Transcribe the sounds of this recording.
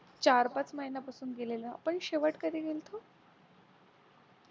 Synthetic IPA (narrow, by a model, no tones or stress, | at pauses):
t͡ɕaɾpat͡sməɦinapasuːnɡeleləa̰pəɳɕeʋəʈkad̪iːɡelt̪ʰo